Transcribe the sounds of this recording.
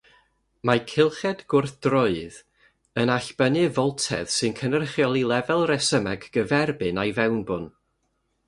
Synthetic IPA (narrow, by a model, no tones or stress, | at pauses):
makʰɪlˠχɛd̥ɡ̥ʊrθd̥rʊɨð | ənaɬb̥ənɨvɔlˠtʰɛ̰ð̥sɨnkʰənərχjɔlˠilˠɛvɛlˠrɛsəmɛɡɡ̥əvɛrbɨnajvɛwnbʊn